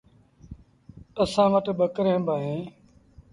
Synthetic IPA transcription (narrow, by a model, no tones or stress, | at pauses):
əsãːʋəʈɓəkɾẽːbaːɦẽː